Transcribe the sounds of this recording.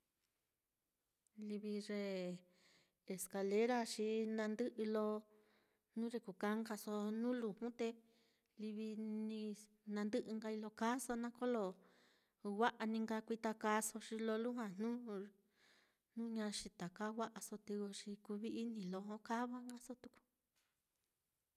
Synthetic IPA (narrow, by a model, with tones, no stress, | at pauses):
li˧βi˧re˧ | le˨ska˧le˦ɾa˦ʃi˧nã˧nd̪ɨ˦ʔɨ˧lo˧ | nũ˦ɾe˧ku˨ka˧˦ŋɡa˧so˧nũ˦lu˨hũ˦t̪e˧ | li˧βi˧nĩ˧ | nã˧nd̪ɨ˦ʔɨ˧ŋɡa˧i˧lo˧ka˦so˧nã˦ko˦lo˧˨ | wa˦ʔa˧nĩ˧ŋɡa˧kʷi˧t̪a˧ka˧so˧ʃi˧lo˧lu˦hwã˧nũː˦ | nũː˦ɲã˧ʃi˧t̪a˨ka˦wʷa˦ʔa˧so˧t̪e˧o˧ʃi˧ku˧βi˧i˦nĩ˧˨lo˧ho˦ka˦βa˦ŋɡa˦so˦t̪u̥˧ku̥˧